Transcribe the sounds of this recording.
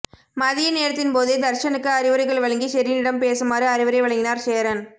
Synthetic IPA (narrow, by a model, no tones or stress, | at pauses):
mɐðɪjɐneːɾɐt̪ːɪnpoːðɯd̪ɐɾʂɐnɯkːɯɐɾɪʋɐɾɐɪɣɐɭʋɐɭɐŋɡiʃɛɾinɪɽɐmpeːsɯmaːɾɯɐɾɪʋɐɾɪʋɐɭɐŋɡɪnaːɾseːɐɾɐn